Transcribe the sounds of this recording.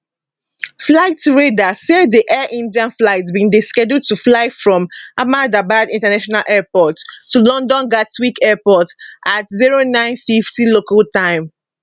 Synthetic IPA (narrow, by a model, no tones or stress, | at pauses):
flaɪtɹedasediʔɛʔĩndiãnflaɪtbĩndiskɛdutuflaɪfɹɔ̃mamadabadĩntanaʃɔnalʔɛpɔtːulɔ̃ndɔ̃nɡatwikɛpɔtʔatziɹonãɪ̃nfiftilokaltãɪ̃m